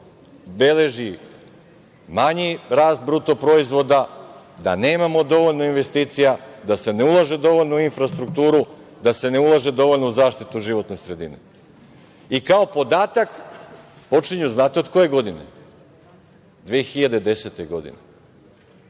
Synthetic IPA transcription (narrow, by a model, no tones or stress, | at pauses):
be̞le̞ʒi | maɲiɾaːst̪̚bɾut̪o̞pɾo̞izʋo̞d̪ad̪a̰ne̞ːmamo̞d̪o̞ʋo̞ʎno̞inʋe̞st̪iːt̪sijad̪ase̞ne̞ulˠaʒe̞d̪o̞ʋo̞ʎʲnouinfɾast̪ɾukt̪uːɾu | d̪ase̞ne̞ulˠaʒe̞d̪o̞ʋo̞ʎnouzaːʃt̪it̪uʒiʋo̞t̪ne̞sɾe̞d̪ḭne̞̰ | ikao̞po̞d̪aːt̪ak | po̞t͡ʃiɲuznaːt̪eo̞d̪ko̞je̞ɡo̞d̪ine̞̰ | d̪ʋeexiʎad̪ed̪e̞set̪e̞ɡo̞d̪ḭne